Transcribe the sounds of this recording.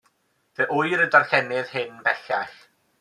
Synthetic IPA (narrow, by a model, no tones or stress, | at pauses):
ðeʔʊjɾədarɬɛnɪðhɪnbɛɬaɬ